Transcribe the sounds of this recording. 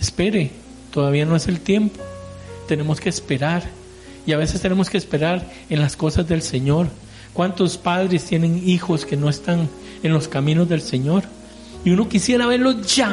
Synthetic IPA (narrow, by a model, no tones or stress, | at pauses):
espe̞ɾe̞ | t̪o̞ðaβiano̞ese̞lt̪je̞mpo̥ | t̪e̞ne̞moske̞ːspe̞ɾaɾ | iaβe̞se̞st̪ene̞mo̞skeːspe̞ɾaɾ | enlasko̞sazðe̞lse̞ɲo̞ɾ | kwant̪o̞spaðɾe̞st̪je̞ne̞ŋixo̞ske̞no̞est̪an | enlo̞skamĩno̞zðe̞lseɲo̞ɾ | iuno̞kisje̞ɾaβe̞ɾlo̞ʝa